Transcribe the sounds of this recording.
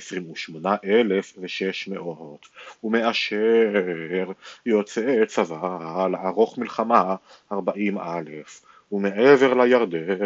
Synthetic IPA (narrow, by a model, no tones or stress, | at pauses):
esʁimuʃmo̞naʔelefveʃeʃme̞ʔot̪ume̞ʔaʃe | ʁjot͡set͡savaaleʕaʁo̞χmilχama | aʁbaʔimʔalef | umeʔeve̞ʁlajaʁd̪e